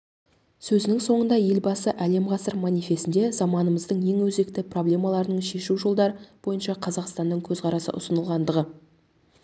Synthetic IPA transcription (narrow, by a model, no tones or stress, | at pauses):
sɵzɪnɪŋso̞ɴənd̪ɑje̞lbɑsəʔæle̞mʁɑsəɾmonife̞sɪnd̪e̞zɑmɑnəməzd̪əɴjeŋwɵze̞k̚t̪ɪpro̞blʲe̞mɑlˠɑɾənəɴʃe̞ʃuʒo̞lˠd̪ɑɾəb̥o̞jənʃɑqʰɑzɑqst̪ɑnːəɴkʲʰɵzqʰɑɾɑsə̰ʔʊsənəlˠʁɑnd̪əʁə